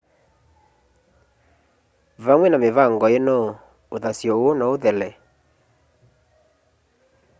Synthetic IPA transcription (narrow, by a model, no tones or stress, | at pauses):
vaŋwɛnamevaŋɡɔenɔ | oðasjɔonɔoðɛlɛ